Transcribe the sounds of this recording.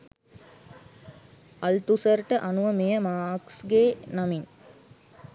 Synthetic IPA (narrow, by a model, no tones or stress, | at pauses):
ɐlt̪usərʈəʔanuʋəmejəmaːksɡeːnamiŋ